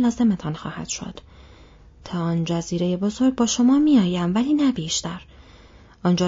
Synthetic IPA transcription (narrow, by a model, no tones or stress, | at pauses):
lɒːze̞met̪ʰɒːnxɒ̰ːhæ̰d̪̥ʃo̞̰d̪̥ | t̪ʰɒːɒːnd͡ʒæziːɾe̞je̞bo̞zo̞ɾɡ̚bɒːʃo̞mɒːmiɒːjæmvæliːnæbiːʃt̪æɾ | ʔɒːnd͡ʒɒː